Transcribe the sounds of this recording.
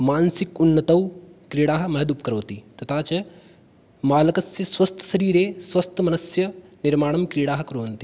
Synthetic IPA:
maːnsikunːɐt̪ɐwkɾiːɽaːɦɐ̆mɐɦɐd̪up̚kɐɾɐːt̪it̪ɐt̪ʰaːt͡ʃɐ | maːlɐkɐsjɐsʋɐst̪ʰɐ̥ʃɐɾiːɾeːsʋɐst̪ʰɐmɐnɐsjɐniɾmaːɳ̃ɐmkɾiːɽaːɦɐ̆kɐɾoːɐnt̪i

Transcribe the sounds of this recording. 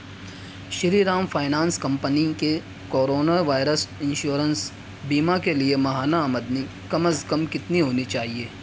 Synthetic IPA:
ʃɪɾiɾãːmfʰaːɪnãːnskɐ̃mpənike | koːɾoːnaʋaːɪɾəsɪ̃nʃoːɾəns | biːmakeliemɐɦaːnaːməd̪ni | kɐməskɐmkɪt̪niɦoːnit͡ʃaːɦieː

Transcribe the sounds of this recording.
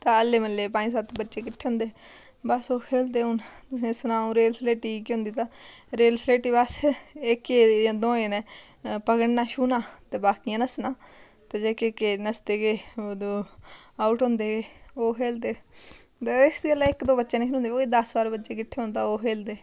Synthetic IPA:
t̪ãəlːeːməlːeːpãːĩːsət̪bətːʃeːkɪʈʰːeːɦʊ̃nd̪eː | bəsoːkʰeːld̪eːʊnt̪ʊsẽːsnãːõːɾeːlsleːʈiːkiɦʊ̃nd̪iːt̪ãːɾeːlsleːʈiːbəsɪkːẽːd̪õːeːnɛː | pəɡəɽnaːʃuːnãːt̪eːbaːkijãːnəsnãː | t̪eːd͡ʒeːkekeːnəsd̪eːɡeːod̪oːaːʊʈɦõːnd̪eːɡeːoːkʰeːld̪eː | t̪eɪsɡəlaɪkd̪õːbətːʃeːnẽːkʰːnõːnd̪ebəɡed̪əsbaːɾbətːʃeːkɪʈʰːeːʊːnt̪aːoːkʰeːld̪eː

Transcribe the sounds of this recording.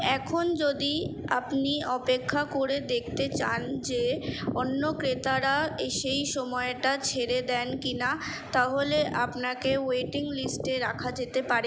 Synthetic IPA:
ɛkʰond͡ʑod̪ia̰pniɔpekʰːakoɾed̪ek̚ʰt̪et͡ɕa̰nd͡ʑeonːokɾet̪aɾaʃejʃɔmɔeʈat͡ɕʰeɾed̪ɛnkina | t̪aɦoleʔapnakeweʈiŋlisʈeɾakʰad͡ʑet̪epaɾe

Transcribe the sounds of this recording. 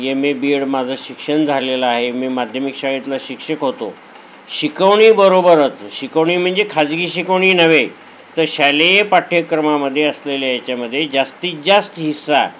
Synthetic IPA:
jemiːbiɽmad͡zʱaɕikʂəɳd͡zʱalelaːɦemiːmad̪ʱjəmikɕaɡit̪laɕikʂəkɦot̪o̰ | ɕikəʋɳiːbəɾobəɾət͡sɕikəʋɳiːm̤əɳd͡zekʰad͡zɡiːɕikəʋɳiːnəʋe | t̪əɾɕalejpaʈʰjəkɾəmaməd̪ʱːjeəslelejat͡ɕjaməd̪ʱːjed͡ʑast̪iːd͡ʑast̪ɦisːa

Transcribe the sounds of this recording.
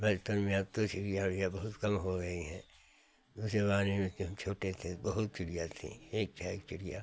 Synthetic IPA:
bɐt͡ʃpənmẽɐb̚t̪ot͡ʃʊɽijaɾijabɐɦʊt̪kɐmɦoɡɐiɦɛ̃ː | d̪uːsebaːnemẽt̪ʰeɦɐmt͡ʃʰoːʈet̪ʰẽbɐɦʊt̪̚t͡ʃʊɽijat̪ʰḛ̃eːk̚pak̚t͡ʃʊɽija̰ː

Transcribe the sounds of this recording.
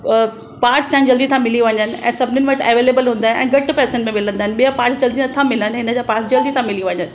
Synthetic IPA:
paːɾʈst͡ɕãɦɪ̃d͡ʑɐld̪it̪ʰãmɪliʋɐ̃ɲənɪ̆ɛ̰̃ːsɐbʱɪnɪnɪʋɐʈ̪ɛʋeːleːbəlɦũːn̆d̪aːɪnɛ̰̃ːɡɐʈpɛːsə̃ɳʈmẽmɪlə̃nd̪aɦɪnɪ̆ɓijapaːɾʈsd͡ʑɐld̪inɐt̪ʰãmɪlənɪɦɪnəd͡ʑaːpaːɾsd͡ʑɐld̪it̪ʰãmɪliʋɐ̃ɲənɪ̆

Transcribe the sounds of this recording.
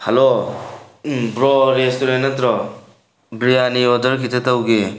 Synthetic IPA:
hɐlo | bɾɔɾestoɾenːɐtɾɔ | bɾijaniɔdɐɾkʰitʰetɐwɡe

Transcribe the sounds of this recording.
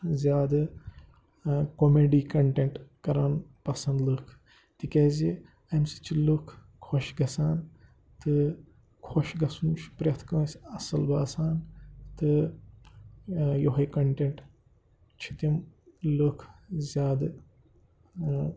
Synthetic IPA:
zʲjaːd̪ | komeːɖiːkɐɳʈeɳʈkɐɾaːnpɐsɐ̃nd̪lɨkʰ | t̪ikeːzi | ɐmsi̥t͡ʃʰilukʰ | kʰːoʃɡɐsaːn | t̪ɨ | kʰoʃɡɐsunt͡ʃʰpɾʲɐt̪ʰkɐːsʲɐsɐlbaːsaːnt̪ɨ | joɦɐkɐɳʈeɳʈ | t͡ʃʰit̪imlɨkʰzʲjaːd̪

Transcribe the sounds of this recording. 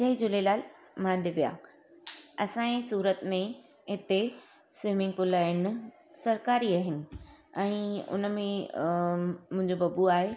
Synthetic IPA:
d͡ʑɐɦid͡ʑʊlelaːl | mãːnd̪ʱeʋija̰ː | ɐsãːẽsuːɾət̪mẽ | ɦɪt̪e | siːmɪ̃ŋɡ̚pʊlaːɦɪnɪ̆ | sɐɾkaːɾiaːɦɪnɪ̆ɛ̃ːʊ̰nəmẽ | mʊ̃ɦɪ̃ɲd͡ʑobɐbuaːɦe

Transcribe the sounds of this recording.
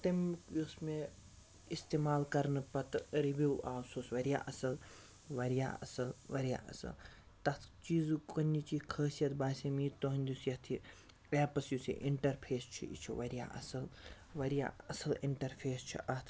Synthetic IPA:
t̪ɐmkusme | ist̪eːmaːlkɐɾnɨpɐt̪ɾibiwaːsoːsʋɐɾja̰ːʔɐsɐl | ʋɐɾija̰ːɐ̰sɐlʋɐɾja̰ːʔɐ̰sɐ̰l | t̪ɐt̪ʰt͡ʃiːzkɐnːit͡ʃiːkʰəːsijɐt̪ʰbaːsʲemiːt̪oɦɐnʲd̪usjɐt̪ʰi | eːpɐsjusḭʔiɳʈɐɾpʰeːst͡ʃʰḭḭt͡ʃʰiʋɐɾja̰ːʔɐ̰sɐl | ʋɐɾija̰ːɐsɐliɳʈɐɾpʰeːst͡ʃʰḭʔɐt̪ʰ

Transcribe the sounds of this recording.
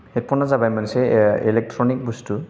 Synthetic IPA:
het̚pɔnazabajmansɛelɛk̚tʰɹɔnik̚bustu

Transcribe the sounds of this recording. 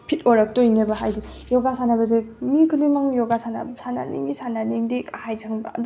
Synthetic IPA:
pʰit̚oɾak̚tojnebaɦajdi | jɔɡasanabɐzemikʰulimaŋjɔɡasana̰bsana̰nḭŋisananiŋdikahajzʰaŋba̰ɐ̰d

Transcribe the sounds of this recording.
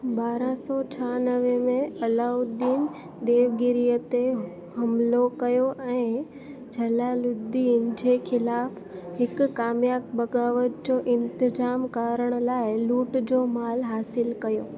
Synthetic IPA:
baːɾãsɔːt͡ɕʰaːnəʋemẽɐlaːʊd̪iːn | d̪eːʋɡɪɾijət̪e | ɦɐmlokɐjoʔɛ̃ː | d͡ʑʱɐlalʊd̪iːnd͡ʑeːxʰɪlaːf | hɪkkaːmjaːk̚bɐɡaːʋətd͡ʑoːʔɪ̃nt̪ɪzaːmkaːɾəɽ̃laːɪluːʈd͡ʑoːmaːlɦaːsɪlkɐjoː

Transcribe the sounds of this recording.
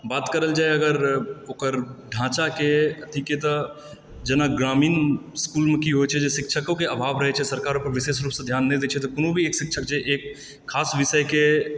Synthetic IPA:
baːt̪kəɾəld͡ʒaːeɐɡəɾoːkəɾɖʱãːt͡ʃakeʈ̪ʰiket̪ɔ | d͡ʒɐnaɡɾaːmiːnskuːlmẽkiɦot͡ʃʰɛd͡ʒesɪkʃʰəkõkeɐbʱaːbɾəɦet͡ʃʰɛsɐɾkaːɾõpəɾʋɪʃeːʃɾuːpsẽd̪ʱjaːnːed̪eːt͡ʃʰɛt̪ɔkʊnõbʱieːkʃɪkʃʰək̚t͡ʃʰeʔeːkʰː | aːsʋɪʃəke

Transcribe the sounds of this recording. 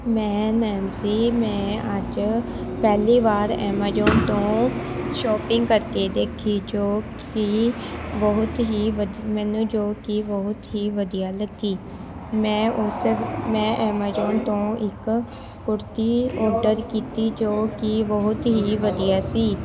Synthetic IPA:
mɛ̃ːnɛːnsiːmɛ̃ːəd͡ʒ | pɛːliːʋaːɾɛ̰ːmaːd͡ʒoːnt̪õːʃɔːpɪŋɡkəɾkeːd̪eːkʰiːd͡ʒoːk | ibəɦʊt̪ɦiːʋəd̪mɛ̃ːnũːd͡ʒoːkibəɦʊt̪ɦiːʋəd̪ijaːləɡiː | mɛ̃ːʔʊsmɛ̃ːʔɛːmaːd͡ʒoːnt̪õːɪk | kʊɾt̪iːɔːɾɖəɾkiːt̪iːd͡ʒoːkɪbəɦʊt̪ɦiːʋəd̪ijaːsiː

